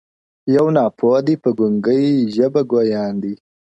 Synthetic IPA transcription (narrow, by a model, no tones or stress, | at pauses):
jawnɑːpʰod̪ipəɡʊŋɡəjʒəbaɡojɑːnd̪i